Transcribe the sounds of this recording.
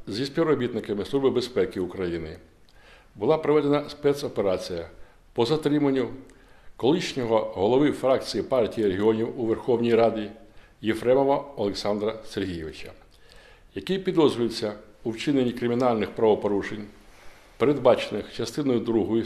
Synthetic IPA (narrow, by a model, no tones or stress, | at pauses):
zʲisʲpʲiʋwrɔbʲit̪nɪkɐmɪslˠuʒbɪbe̞spɛkɪʊkɾɐjinɪ | bʊlˠɑpɾɔʋɛd̪enɐspɛt̪sɔpe̞ɾɑt͡sʲijɐ | pɔzɐt̪ɾɪmɐnʲːʊ | kɔlˠɪʃnʲɔɦɔɦɔlˠɔʋɪfɾɑk̚t͡sʲijipɑrtʲijiɾeɦʲiɔnʲiwuʋerxɔwnʲijɾɑdʲi | jefɾɛmɔʋɐɔlˠeksɑnd̪ɾɐserɦʲijeʋɪt͡ʃɐ | jɐkijpʲid̪ɔzɾʊjesʲːɐuwt͡ʃɪnenʲːikɾɪmʲinɑlʲnɪxpɾɐʋɔpɔɾuʃenʲ | peɾe̞d̪bɑt͡ʃenɪxt͡ʃɐst̪ɪnɔjʊd̪ɾuɦɔjʊ